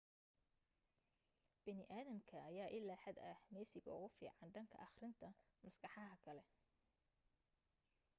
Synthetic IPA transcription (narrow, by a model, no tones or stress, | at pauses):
b̥ɐnɪʔaːðɐmkʰɐːjaːʔɪlːaːħɐd̪ɐhmɛjsɪɣɐ̰ʊɣʊfḭːʕɑnɖɐŋkʰɐ̰ʔɑχrɪnt̪ʰɐmɐsɡɑħɑɦɐkʰɐlɛ